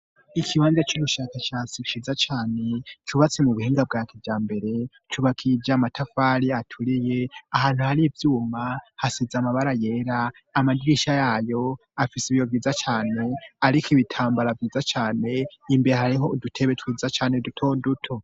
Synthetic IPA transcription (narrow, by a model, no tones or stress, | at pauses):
ikʰiβaːnzat͡ʃuβuʃakaʃaːt͡sit͡ʃiːzat͡ʃaːne̞t͡ʃuβat͡semuβuhiːŋɡab̚ɡaːkʰevjaːmbe̞ɾe̞ | tʰuβakʰid͡ʒamatʰafaːɾiatʰuɾije̞ahaːn̥huhaɾivjuːmahasizamaβaɾaje̞ːɾaː | madɡiːʃajaːjo̞ | afisiβijovjiːzat͡ʃaːne̞aɾikiβitʰaːmbaɾavjiːzat͡ʃaːne̞imbe̞ɾehaɾiɦo̞dutʰe̞βe̞twiːzat͡ʃaːne̞dutʰo̞ːdutʰo̞